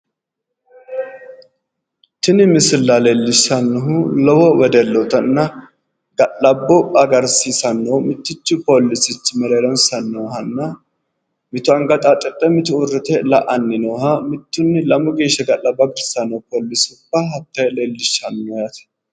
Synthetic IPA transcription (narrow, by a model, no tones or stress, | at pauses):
t̪ɪnɪmɪsɪlːale̞ːlːɪʃːɐnːɔɦʊlɔwɔwɛd̪ɛlːɔt̪ɐnːɐ | ɡɐʔɐbːɔɐɡɐɾsiːsɐnːoːmɪt̪ːɪt͡ʃːʊpoːlːɪsɪt͡ʃːɪmɛlɐlɔnsɐnːɔːhɐnːɐ | mɪt̪ʊɐŋɡɐt̪ʼat͡ʃʼɛt̪ʼːɛmɪt̪ʊʊrːɪt̪ɛlɐʔɐnːɪnɔːhɐmɪt̪ːʊnːɪlɐmʊɡeːʃːɐɡɐlːɐbːɐɡɐɾsɐnːɔpoːlːɪsʊbːɐɦɐt̪ːɐjleːlːɪʃːɐnɔjɐt̪ɛ̥